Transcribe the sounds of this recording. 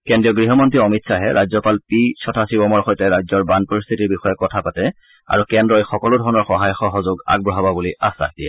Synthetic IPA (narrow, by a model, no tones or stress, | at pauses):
kɛndɹiɔɡɹiɦɔmɔntɹiɔmitsaɦɛɹʔajzɔpalpisɔtʰasibɔmɔɹxɔjtɛɹajzɔɹbanpɔɹist̪ʰitiɹbixɔjɛkɔtʰapatɛ | a̰ɹukɛndɹɔexɔkɔlʊdʱɔɹɔnɔɹxɔɦajxɔɦozʊɡa̰ɡ̚bɹɔɦababuliʔasa̰diɛ̰